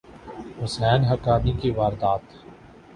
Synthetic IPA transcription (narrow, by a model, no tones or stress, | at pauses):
hʊsɛːnɦɐkaːnikiʋaːɾd̪aːt̪